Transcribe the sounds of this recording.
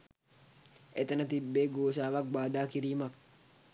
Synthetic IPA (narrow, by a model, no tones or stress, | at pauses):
ʔɛt̪ɐnɐt̪ɪbːeːɡoːsaːbɐɡ̚baːd̪aːkɪɾiːmɐk